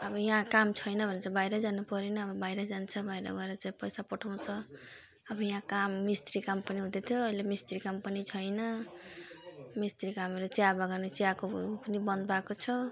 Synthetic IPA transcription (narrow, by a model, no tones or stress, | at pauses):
ʌbʌjãkamt͡sʰʌjnʌbʱʌnt͡sʰʌbajɾʌd͡zanupʌɾinʌːbʌbajɾʌd͡zant͡sʰʌbʱajɾʌ̰ɡʌeɾʌt͡saĩpʌjsapʌʈʰaw̃t͡sʰʌ | ʌbʌjãkamːist̪ɾikampʌniɦũd̪et̪ʰjoʌilemist̪ɾikampʌnit͡sʰʌjnʌ | mist̪ɾikamʌɾʌt͡siabaɡʌrnet͡siakopʌnibʌnd̪bakot͡sʰʌ